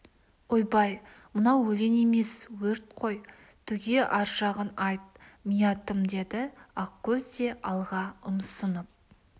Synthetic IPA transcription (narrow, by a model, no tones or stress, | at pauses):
ojbɑjmənɑwːɵle̞ne̞me̞swɵɾt̪̚qʰo̞j | t̪ʰʏɡʲe̞ʔɑɾʒɑʁənɑjt̪̚mijɑt̪əmd̪e̞d̪ɪɑqkʲʰːɵzd̪e̞ʔɑlˠʁɑʊmsənəp̚